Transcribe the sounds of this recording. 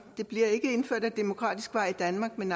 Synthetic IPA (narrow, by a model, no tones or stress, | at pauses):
d̥e̝b̥liɐe̝ɡ̥əe̝nføɐ̰d̥æd̥emo̝kʰʁɑ̰̈ːd̥isɡ̥ʋɑ̈ɪ̰id̥ænmɑ̈ːɡ̥men